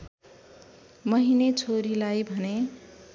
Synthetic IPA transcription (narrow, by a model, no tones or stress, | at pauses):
mʌɦinet͡sʰoɾilajbʱʌne